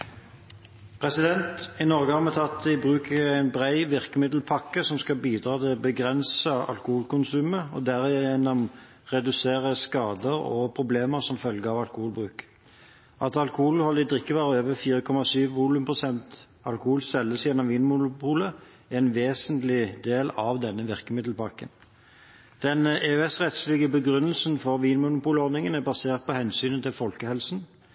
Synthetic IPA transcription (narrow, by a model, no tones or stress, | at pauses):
pʰʁɛsɪd̪ɛnt̪ɪnɔʁɡəhɑʁmɛt̪ʰɑt̪ɪbʁʉːkʰəæɪnbʁæɪʋɪʁkəmɪd̪l̩pʰɑkːəsɔmskɑbiːd̪ʁɑːt̪ʰɪlbəɡʁɛnsəɑ̰lkʊhuːlkʊnsʉːməɔd̪æʁɪjɛjɛnɔm | ʁɛd̪ʉseːʁəskɑːd̪əʁɔ̰pʰʁʊbleːməʁsɔmfœlɡəɑʋɑlkʊhuːlbʁʉːk | ʔɑt̪ɑlkʊhuːlhɔlɪd̪ʁɪkːəʋæːʁøːʋəfiːɾəkʰɔmɑsyːʋʋulʉmpʰʁʊsɛnt̪ | ɑlkʊhuːlsɛlːəsjɛnːɔmʋiːnmʊnʊpʰuːlə | æʁɛnʋeːsənt̪lɪd̪eːlɑʋd̪ɛnːəʋɪʁkəmɪd̪lpɑʁkən | d̪̥ɛneʉɛsʁɛt̪slɪɡəbəɡʁʉnːəlsnfɔʁʋiːnmʊnʊpuːlɔʁnɪŋənæʁbɑseːʁt̪̚pɔhɛnsyːnət̪ʰɪlfɔlkəhɛlsn̩